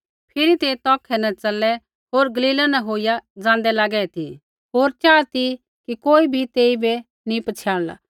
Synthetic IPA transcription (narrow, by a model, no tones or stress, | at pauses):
pʰɪɾit̪et̪ɔːkʰɛnɐ̃t͡sɐlːɛ | ɦoːɾɡɐliːlanɐ̃ɦoːijad͡zãːnd̪ɛlaːɡɛːɛt̪ʰi | ɦoːɾt͡ʃaːt̪i | kikoːibʱit̪eːibe | nĩpɐt͡ʃʰjaːɽ̃la̰